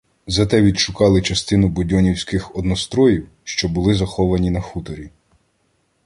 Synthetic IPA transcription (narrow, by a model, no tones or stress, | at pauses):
zɐt̪ɛʋʲid̪ʃʊkɑlˠɪt͡ʃɐst̪ɪnʊbʊdʲɔnʲiwsʲkɪxɔd̪nɔst̪ɾɔjiw | ʃt͡ʃɔbʊlˠɪzɐxɔʋɐnʲinɐxut̪ɔɾʲi